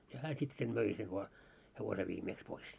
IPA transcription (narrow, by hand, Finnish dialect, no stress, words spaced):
jɑ hæː sit sen møi seʋ ʋɑː heʋose ʋiːmeːks pois